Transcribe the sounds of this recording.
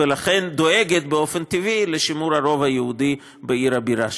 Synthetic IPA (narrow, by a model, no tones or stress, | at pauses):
elaχend̪o̞eɡet̪̚beo̞fent̪ivileʃimuɾhaɾo̞vajehud̪i | beiɾhabiɾaʃ